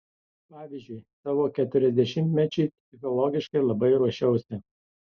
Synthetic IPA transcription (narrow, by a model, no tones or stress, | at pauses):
pɑːʋʲizʲd͡ʒʲʊjsɑːʋoːkʲɛt̪ʲʊɾʲɛzʲd̪ʲɛʃʲɪmʲt̪ʲmʲɛt͡ʃʲɛɪpʲsʲɪxɔlˠɔɡʲɪʃkɐɪlˠɐbɐɪɾuɔʃʲɛʊsʲɪ